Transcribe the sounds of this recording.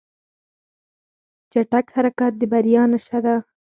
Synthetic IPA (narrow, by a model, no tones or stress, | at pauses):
t͡ʃaʈakhaɾakɑt̪̚d̪əbaɾjɑnaʃad̪a